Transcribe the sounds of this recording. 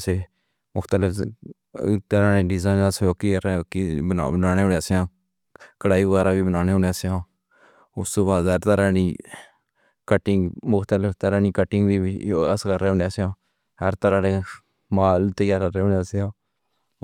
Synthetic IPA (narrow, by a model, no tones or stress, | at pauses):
seː | mʊkʰt̪əlɪpʰ | t̪əɾãːnẽːɖɪzãːnsjoːkikəeːkib̰bənaːneːoneaseãː | kəɽaːiːɡaːɾãːbiːbənaːneːoneaseãː | ʊst̪õːbaːd̪əɾt̪əɾãːniː | kəʈːɪŋɡmʊkʰt̪əlɪpt̪əɾaːniːkəʈːɪŋɡbiːəskəɾːeːʊ̃ɳaːseãː | həɾt̪əɾãːneː | maːlt̪əjaːɾəɾeːõneaseãː